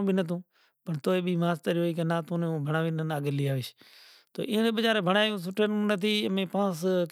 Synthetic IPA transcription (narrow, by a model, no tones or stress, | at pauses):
bʱinət̪̬ũː | pəɳt̪oːeːɓiːmãːst̪əɾoːiːk̬enaːt̪ũːnːũːbʱəɳ̃aːʋiːnənaːɡəlɪjaːʋɪʃ | t̪o̰ːʔɪːneːɓəd͡ʒaːɾeːbʱəɽ̃aːjũːs̬ʊʈʰenũːnət̪ʰiːəmẽːpãːsk